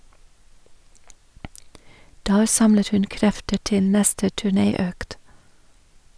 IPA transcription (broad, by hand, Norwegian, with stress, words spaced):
ˈdæːɾ ˈsɑmlət ˈhʉn ˈkɾɛftə ˈʈɪl ˈnɛstə tʉˈɳeːˌøːkt